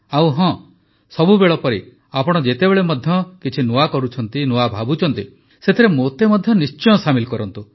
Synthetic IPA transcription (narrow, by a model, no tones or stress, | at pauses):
awɦɔ̃ | sɔbubeɭɔpɔɾi | apɔɽ̃ɔd͡ʒet̪ebeɭemɔd̪ʱjɔkit͡ʃʰinoakɔɾut͡ʃʰɔnt̪inoabʱabut͡ʃʰɔnt̪i | set̪ʰiɾemot̪emɔd̪ʱjɔnist͡ʃɔj̃ɔsamilkɔɾɔnt̪u